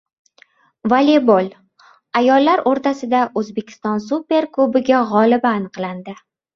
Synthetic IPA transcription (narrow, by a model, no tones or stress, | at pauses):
valebolˠ | ajɒlːaɾoɾt̪asɪd̪aʔɵzbe̞kʲʰɪ̥st̪ɒns̬upe̞ɾklˠʊbɪɡʲaʁɒlɪbaːnɨqlˠand̪ɪ